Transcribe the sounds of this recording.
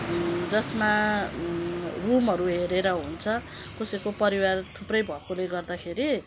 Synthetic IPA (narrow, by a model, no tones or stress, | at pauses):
d͡zʌsma | rumɦʌɾuɦeɾeɾʌɦunt͡sʰʌ | kosekopʌɾiwart̪ʰuprʌjbʱʌkʰoleɡʌrd̪akʰeɾi